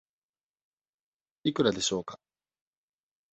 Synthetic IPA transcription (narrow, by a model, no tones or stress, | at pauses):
ikɯ̟ɾad̪e̞ɕo̞ːkḁ